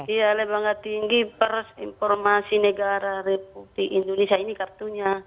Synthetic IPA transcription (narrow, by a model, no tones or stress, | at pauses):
ijalɛbaŋat̪iŋɡipəɾsimpɔrmasinɛɡaɾaɾɛp̚ublikindɔnisiainikart̪uɲa